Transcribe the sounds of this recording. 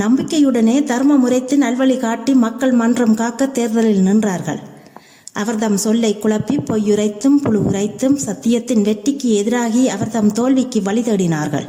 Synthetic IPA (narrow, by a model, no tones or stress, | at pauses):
nɐmbɪkːɐjɯɽɐneːd̪ɐɾmɐmʊrɐɪt̪ːɯnɐlʋɐɭikaːʈːimɐkːɐɭmɐndrɐmkaːkːɐt̪ːeːɾðɐlɪlnɪndraːɾɣɐ̰ɭ | ʔɐʋɐɾðɐmsɔɭːɐɪkːʊɭɐpːipːɔjːʊrɐɪt̪ːɯmpʊɻɯʊ̰rɐɪt̪ːɯmsɐt̪ːɪjɐt̪ːɪnʋɛʈːɪkːɯɛðɪɾaːɣiɐʋɐɾðɐmt̪oːɭʋɪkːɯʋɐɭɪðeːɽɪnaːɾɣɐ̰ɭ